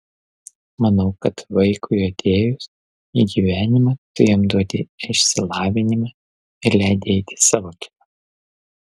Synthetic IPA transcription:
mɐnɐʊkɐt̪ʋɐɪkʊjot̪ʲeːjʊs | iːɡʲiːʋʲæːnʲɪmɐt̪ʊɾʲeɔmd̪uɔt̪ʲɪɪʃʲsʲɪlˠɑːʋʲɪnʲɪmɑ | ɪɾlʲæɪd̪ʲɛɪt̪ʲɪ̥sɑːʋoːt̪ʲɪ̥ɐ

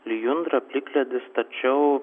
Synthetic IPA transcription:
lʲɪjʊnd̪ɾɐpʲlʲɪkʲlʲɛd̪ʲɪst̪ɐt͡ʃʲɛʊ

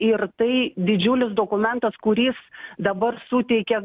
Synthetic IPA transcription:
ɪrt̪ɐɪd̪ʲɪd͡ʒʲʊlʲɪsd̪oːkʊmʲɛnt̪ɐskʊɾʲiːsd̪ɐbɐrsuːt̪ʲɛɪkʲɛ

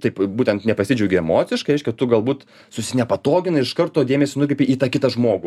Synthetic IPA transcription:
t̪ɐɪpbuːt̪ʲɛnt̪nʲɛpɐsʲɪd͡ʒʲɛʊɡʲɪɛmoːt͡ssʲɪʃkɐɪɾɛɪʃʲkʲɛt̪ʊɡɐlˠbuːt̪ | sʊsʲɪnʲɛpɐt̪oːɡʲɪnɐɪʃkɐrt̪oːd̪ʲeːmʲɛsʲɪnʊkɾʲɛɪpʲiiːt̪ɑkʲɪt̪ɐʒmoːɡʊ

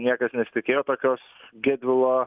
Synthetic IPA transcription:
nʲiɛkɐsnʲɛsʲɪt̪ʲɪkʲeːjoːt̪oːkʲoːsɡʲɛd̪ʲʋʲɪlˠoː

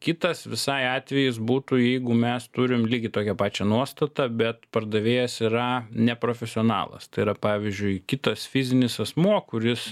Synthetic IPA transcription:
kʲɪt̪ɐsʋʲɪsɐɪɑːt̪ʲʋʲɛjɪsbuːt̪ujɛɪɡʊmʲɛst̪ʊɾʲɪmlʲiːɡʲɪt̪oːkʲɛpɑːt͡ʃʲɛnuɔst̪ɐt̪ɐbʲɛt̪pɐrd̪ɐʋʲeːjɛsiɾɐnʲɛpɾoːfʲɛsʲɪonɑ̰ːlˠɐ̰st̪ɐɪiɾɐpɑːʋʲɪzʲd͡ʒʲʊɪkʲɪt̪ɐsfʲɪzʲɪnʲɪsɐsmuɔkʊɾʲɪs

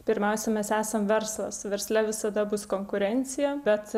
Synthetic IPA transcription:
pʲɪɾʲmʲɛʊsʲɛmʲɛsæːsɐmʋʲɛɾslˠɐsʋʲɛɾsʲlʲɛʋʲɪsɐd̪ɐbʊskoːŋkʊɾʲɛnʲt̪sʲɪjɛbʲɛt̪

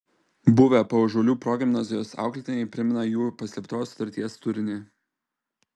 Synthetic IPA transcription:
bʊʋʲɛpoʒɔːlʲuːpɾɔɡʲɪmnɐzʲɪjoːsɑ̰ˑʊklʲɪt̪ʲɪnʲɛɪpʲɾʲɪmʲɪnɐjuːpɐsʲlʲɛpt̪oːsʊ̥t̪ɐɾʲt̪ʲiɛst̪ʊɾʲɪnʲe

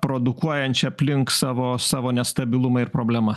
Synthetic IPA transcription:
pɾoːd̪ʊkuɔjɛnʲt͡ʃʲɛɐpʲlʲɪŋksɑːʋoːsɑːʋoːnʲɛst̪ɐbʲɪlˠʊmɐɪɾpɾoːbʲlʲɛmɐ

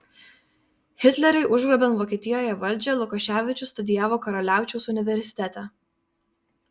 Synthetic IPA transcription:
xʲɪt̪ʲlʲɛɾʲɛɪʔʊʒɡlobʲɛnʋoːkʲiːt̪ʲɪjoːjɛʋɐlʲˑd͡ʒʲɛlˠʊkɐʃʲæːʋʲɪt͡ʃʲʊst̪ʊd̪ʲɪjæːʋoːkɐɾɔlʲæˑʊt͡ʃʲɛʊsʊnʲɪʋʲɛɾʲsʲɪ̥t̪ʲæːˑt̪ʲɛ

